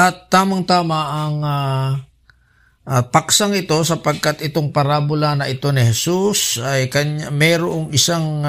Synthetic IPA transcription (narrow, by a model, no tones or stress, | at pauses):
ʔɐt̪ːaːmɐŋt̪aːmɐʔɐŋa | ʔapɐksaŋɪt̪o̞sɐpɐɡ̚kat̪ʔɪt̪o̞ŋpɐɾaːbʊlanɐʔɪt̪o̞nɪhɛsusɐjkɐɲamɛɾoʔoŋɪsaŋ